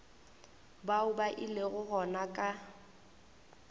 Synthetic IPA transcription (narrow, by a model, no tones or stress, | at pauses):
baʊbaʔɪleɣʊɣɔnakʼa